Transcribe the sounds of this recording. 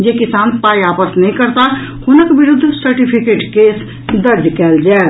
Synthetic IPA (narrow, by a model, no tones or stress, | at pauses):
jekɪsaːnpaːiaːpəsnɐɦĩkəɾt̪ahʊnəkbɪɾʊd̪ʱːsəɾʈɪpʰɪkeːʈkeːs | d̪ɐɾd̪kɛːld͡ʒae